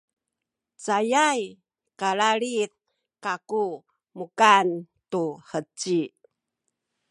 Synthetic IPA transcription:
t͡sajaj | kaɭaɾit̪̚ | kaku | mukan | tuħət͡si

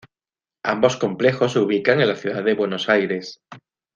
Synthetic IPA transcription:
a̰mbo̞sko̞mple̞xo̞suβ̞ikaŋenlaθjuðaððe̞βwe̞no̞sajɾe̞s

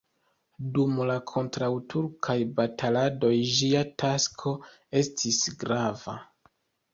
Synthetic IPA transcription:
dumlakʰo̞ntɾawtʰuɾkʰajbatalado̞jd͡ʒiatʰaskʰo̞ | e̞stʰisɡɾava̰

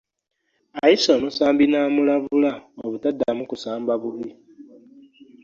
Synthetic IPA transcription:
ajisonusaːmbinaːmulaβulaoβutadːamukusaːmbaβuβi

